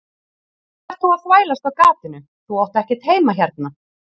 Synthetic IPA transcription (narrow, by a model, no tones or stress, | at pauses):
ɛ̥t̪θuaðθvaːjlast̪awkaːt̪ɪnʏ | θuɔwht̪ɛhcɪ̥ɾ̥t̪heːjmaçaɾt̪̚na